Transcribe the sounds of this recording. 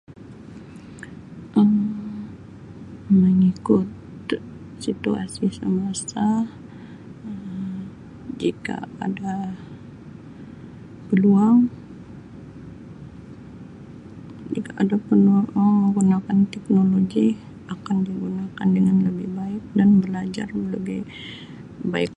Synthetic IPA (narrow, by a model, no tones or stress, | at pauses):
ʔəm | məŋikʊt̪̚ | sit̪ua̰sisəmasa | əm | d͡ʒika̰a̰da | pəluaŋ | d͡ʒikaʔadapəluaŋaŋməŋɡunakant̪ɛk̚noloɡi | akandiɡunakandəŋanləbɪhbaɪk̚danbəlad͡ʒa̰rələbɪ | baɪk̚